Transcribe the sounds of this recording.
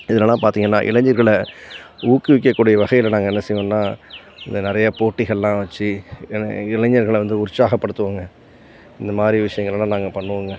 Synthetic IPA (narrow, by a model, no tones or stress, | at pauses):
ɪðɐlɐlãːpaːɾt̪iːŋɡɐnːaːʔɪ̰lɐɲd͡ʒɐɾɣɐɭ | uːkːɯʋɪk̬ːɐkːuːɽɪjɐʋɐɣɐjɪlɐnaːŋɡɐɛnːɐsɐjʋõnːaː | ɪnd̪ɐnɪɾɐjɐpoːʈːɪɣɐɭlãːʋɐt͡ʃːɯ | ɪlɛɲɐɾɣɐɭʋɐnd̪ɯʊɾsaːɣɐpːɐɽɯt̪ːɯʋaːŋɡɐ | ɪnd̪ɐmaːd̪ɾiʋɪʂɐjɐŋɡɐɭɐlãːnaːŋɡɐpɐɳːɯʋaŋɡɐ